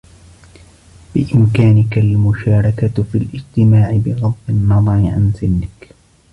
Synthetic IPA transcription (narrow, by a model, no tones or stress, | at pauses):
bɪʔɪmkaːnɪkalmʊʃaːɾˤɑkafilʔɪd͡ʒt̪ɪmaːʕɪbɪɣɑd̪ˤbɪnːɑðˤɑɾɪʕa̰nsɪnːɪk